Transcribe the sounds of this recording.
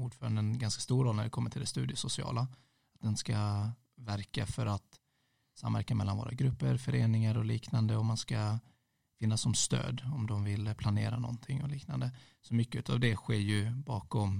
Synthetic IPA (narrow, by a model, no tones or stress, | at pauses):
uːɖfœːɾand̪əɛnɡanskḁst̪uːɾoːlnæɖɛkʰɔmːəʈʰɪld̪ɛst̪ʉ̰ːd̪ɪəsʊsɪɑ̰ːla | at̪̚d̪ɛnska | væɾkafœɾat̪ | samːvæ̰ɾkamɛlːanvo̰ːɾʔa̰ɡɾɵpːəɾfœɾeːnɪŋaɾɔliːknand̪əɔmanska | fɪnːasːɔmst̪ø̰ːd̪ɔmd̪ɔmvɪlpʰlaneːɾanɔ̰nt̪ʰɪŋːɔliːkna̰nd̪ə | sɔmʏkːəʉ̟ːt̪avd̪ɛɧeːjɵbɑːkɔm